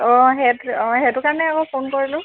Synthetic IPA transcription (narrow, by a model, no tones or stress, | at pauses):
ɔ̃ɦɛtɔ̃ɦɛtʊkaɹɔnɛakɔpʰonkoɹilʊ̃